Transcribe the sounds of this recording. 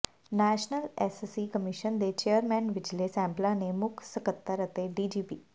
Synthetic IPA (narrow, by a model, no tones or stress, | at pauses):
nɛːʃnəlɛːssikəmɪʃənd̪et͡ʃejəɾmɛ̃ːnʋɪd͡ʒlesɛ̃ːmplanemʊkʰsəkət̪ːəɾət̪eɖiːd͡ʒiːpiː